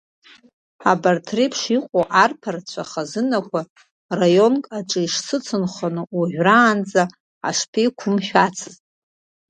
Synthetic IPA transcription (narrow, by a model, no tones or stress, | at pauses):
abartʰripʰʂiqʷʼoʔarpʰart͡ɕʷʰaχazɨnakʷʰa | rajo̞nkʼaʈ͡ʂʼɨiʂsɨt͡sʰɨnχanɨuʒʷᶣraːnd͡za | a̰ʂpʰikʷʰʊmħᶣat͡sʰɨztʼ